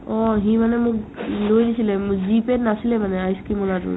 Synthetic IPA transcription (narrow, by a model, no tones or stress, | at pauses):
ɔɦĩmanɛmʊ̃k̚lojnisilɛmzipenasilɛmanɛajskimɔlatṵ